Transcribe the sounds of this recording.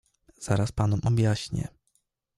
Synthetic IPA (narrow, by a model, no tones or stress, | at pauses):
z̥aɾaspanɔmʔɔbʲjaɕɲɛ̰